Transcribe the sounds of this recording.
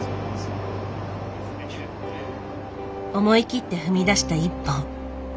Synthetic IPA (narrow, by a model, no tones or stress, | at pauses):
o̞mo̞ikʲit̪ːe̞ɸɯ̟mʲid̪aɕi̥t̪aipːõŋ